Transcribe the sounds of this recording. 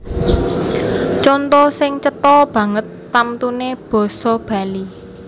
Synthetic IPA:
t͡ʃɔnt̪ɔsɪŋt͡ʃət̪ɔb̥ä̤ŋət̪ːamt̪uneb̥ɔ̤sɔb̥ä̤li

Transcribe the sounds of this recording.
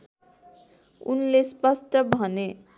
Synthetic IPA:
ṵnlespʌsʈʌbʱʌne

